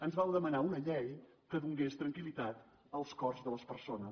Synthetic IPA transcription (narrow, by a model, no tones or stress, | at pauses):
ənzβawðəmənaunəʎɛj | kəðuŋɡest̪ɾəŋkilit̪at̪ | əlˠskɔrzðələspəɾsonəs